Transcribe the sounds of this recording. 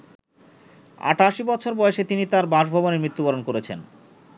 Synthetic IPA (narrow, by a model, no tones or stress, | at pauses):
a̰ʈaʃibɔtːt͡ɕʰoɾbɔeʃet̪init̪aɾbãʃbʱɔboneɾmit̪ːubaɾonkoɾet͡ɕʰen